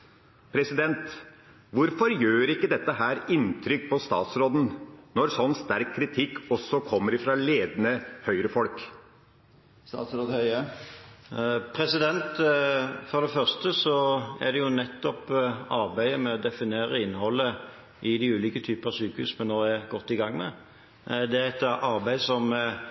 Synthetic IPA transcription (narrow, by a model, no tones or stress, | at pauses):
pʰɾɛsɪd̪ɛnt̪ | ʋʊɾfɔɾjøːɾɪkːəd̪ɛt̪ːəɦæːɾɪnt̪ʰɾʏk̚ːpʰɔst̪ɑ̰ːt̪sɾoːd̪n̩nɔɾsɔnːst̪æɾkʰːɾɪt̪ʰɪkːɔsːɔkʰɔmːəɾɪfɾɑːleːd̪ənəhœʏɾəfɔlk | st̪ɑːsɾoːd̪hœə | pʰɾɛsɪd̪ɛnt̪ | fɔʁd̪ɛfœʁst̪əsɔæ̰ʁd̪ɛjʊnɛt̪ːɔpɑɾbæɪəmɛɔd̪ɛfɪneːɾəɪnːɦɔlːə | ʔɪd̪ɪʉːliːkət̪ʰyːpəɑʋsyːkəʉsmɛnoːæɡɔt̪ːɪɡɑŋːmɛ̰ː | d̪ɛææt̪ʔɑɾbæɪsɔm